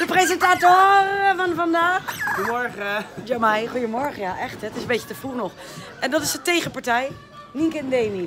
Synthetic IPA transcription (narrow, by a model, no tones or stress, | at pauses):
d̥əprezɛntatoːfɔnfɔndaːxuəmɔɹɣədomɛjχujəmɔɹχəjaʔɛxtɛtɪsəmbet͡ʃə̥təfulnɔx | ʔɛndɔtɪsətejɣəpaɹtɛj | niŋkəndeːmi